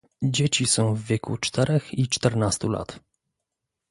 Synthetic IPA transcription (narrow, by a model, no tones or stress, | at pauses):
d͡ʑet͡ɕisɔ̃w̃vvʲjekʰṵt͡ʂt̪ʰɛɾɛxit͡ʂt̪ɛɾnast̪ula̰t̪